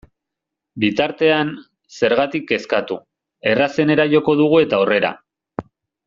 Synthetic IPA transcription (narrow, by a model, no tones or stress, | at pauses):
bit̪aɾt̪e̞an | se̞ɾɣat̪ike̞skat̪u | e̞rase̞ne̞ɾaʝo̞ko̞ðuɣ̞ue̞t̪aore̞ɾa̰